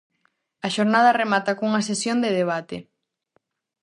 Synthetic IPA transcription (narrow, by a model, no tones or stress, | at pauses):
ɐʃoɾnað̞ɐremat̪akouŋɐsesjond̪eðeβ̞at̪e